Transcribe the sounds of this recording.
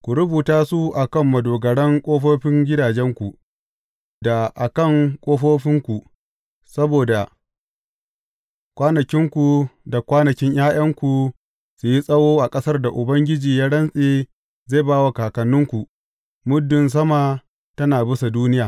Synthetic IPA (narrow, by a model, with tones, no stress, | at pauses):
kʷu˨ɾʊ˦buː˨taː˦su˦ʔa˨kɐ˦˨mːɐ˨doː˨ɡɐ˨ɽɐ˦ŋkʷʼoː˦ɸoː˦ɸɪ˦ŋɡʲɪ˦daː˨d͡ʒɛ˦ŋkʷu˨ | da˨ʔa˨kɐ˦˨ŋkʷʼoː˦ɸoː˦ɸɪ˦ŋkʷu˨ | sɐ˦boː˨da˨ | kʷaː˦nɐ˨kʲɪ˦ŋkʷu˨da˨kʷaː˦nɐ˨kʲɪ˦ɲjaː˦j̰ɐ˦ŋkʷu˨ | su˨ji˦sʼɐ˦woː˦ʔa˨kʼɐ˦sɐ˦rda˨ʔʊ˨bɐ˦ŋɡʲɪ˦d͡ʒiː˨jaː˦ɽɐ˦nsʼeː˨ | ze˦˨baː˦wa˨kaː˨kɐ˨nːʊ˦ŋkʷu˨ | mʊ˦dːʊ˨ns̬ɐ˦ma˨ | tɐ˦naː˨bɪ˦sa˨duː˦nɪ˦jaː˨